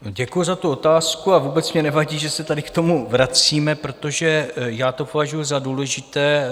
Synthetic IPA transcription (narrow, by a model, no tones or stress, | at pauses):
ɟɛkujuzat̪uo̞t̪aːskuavuːbɛt͡smɲɛnɛvaɟiːʒɛsɛt̪adɪkt̪o̞muvɾat͡siːmɛpɾo̞t̪o̞ʒɛjaːt̪o̞povaʒujuzaduːlɛʒɪt̪ɛː